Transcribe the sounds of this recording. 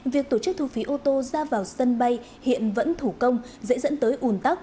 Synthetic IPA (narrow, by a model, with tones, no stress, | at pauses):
vi˨˩ək̚t̪o˧˩t͡ɕɨ˦˥k̚t̪ʰu˧fi˨˦ʔo˧t̪o˧zaː˧vaː˨˩wsə˧nɓa˧j | hḭ˧˨ənvə̰˧˥nt̪ʰu˧˩kə˧wŋ͡m | zḛ˧˥zə̰˧˥nt̪əː˨˦jʔu˨˩nt̪a˦˥w̚k͡p̚